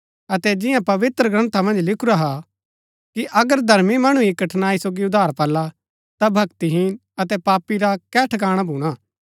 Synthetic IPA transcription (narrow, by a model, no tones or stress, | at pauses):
ɐt̪ɛd͡ʒɪ̃jãpɐʋɪt̪ɾəɡɾɐ̃nt̪ʰamɐ̃nd͡ʒlɪkʰuɾaɦa | kiʔɐɡəɾd̪ʱɐɾmimɐɽ̃ũikɐʈʰnaːisoːɡiʊd̪ʱaːɾpɐlːa | t̪abʱɐɡt̪iɦɪn | ɐt̪ɛpaːpːiɾakɛːʈʰkaːɽ̃abʱuːɽ̃aː